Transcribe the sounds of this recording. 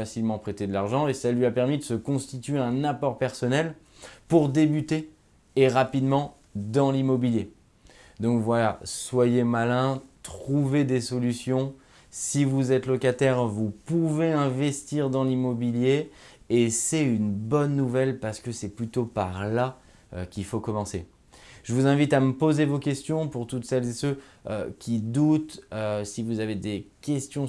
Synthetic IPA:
asilmɑ̃pχet̪ed̪əlaʁʒɑ̃esalɥiapɛʁmid̪əsəkɔ̃st̪it̪ɥeɛ̃napɔʁpɛʁsɔnɛl | puʁd̪ebyt̪eː | ʁapid̪mɑ̃ | d̪ɑ̃limɔbilje | d̪ɔ̃kvwalaswajemalɛ̃t̪χuved̪esɔlysjɔ̃ | sivuzɛt̪lɔkat̪ɛʁvupuveɛ̃vɛst̪iʁd̪ɑ̃limɔbiljeː | sɛynbɔnːuvɛlpaʁsə̥kəsɛplyt̪opaʁla | ø̰kʲilfokɔmɑ̃se | ʒəvuzɛ̃vit̪aməpozevokʲɛst̪jɔ̃puʁt̪ut̪sɛlzesø | ø̰kʲʰid̪ut̪øsivuzaved̪ekʲɛst̪jɔ̃

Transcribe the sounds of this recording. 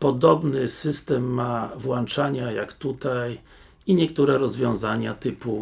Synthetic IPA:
pɔd̪ɔbnɘsɘst̪ɛmːavwant͡ʂaɲajakt̪ut̪aj | iɲɛkt̪uɾɛɾɔzvʲjɔ̃zaɲat̪ɘpu

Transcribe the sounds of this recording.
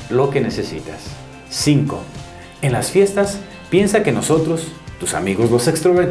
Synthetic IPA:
lo̞ke̞ne̞se̞sḭt̪a̰sː | iŋko̞̰ | enlasfje̞st̪as | pje̞nsake̞no̞so̞t̪ɾo̞st̪usa̰miɣo̞zlo̞se̞kst̪ɾoβeɾ

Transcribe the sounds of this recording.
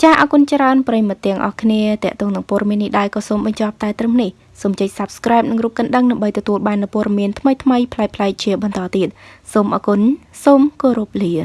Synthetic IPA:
t͡ɕaːʔɑːkunt͡ɕraənprəjimɨt̪ːɛ̆əŋʔɑ̰hkʰniət̪ɛ̆əʔt̪ɔːŋnɨŋpoəɗɑmiənːihɗaɛlkɑːsoːmɓɑɲt͡ɕɑp̚t̪aɛt̪rəhnih | soːmt͡ɕəc̚sap̚skraɛp̚nɨŋruːp̚kɨnɗəŋnamɓəjt̪ɔt̪uəlɓaːnːɨwpoɔəɗɑmiənt̪ʰməjt̪ʰməjpʰlaɛk̚pʰlaɛk̚t͡ɕiəɓɑnt̪ɑːt̪iət̪̚soːmʔɑ̰ːkunsoːmkoːɾup̚liə

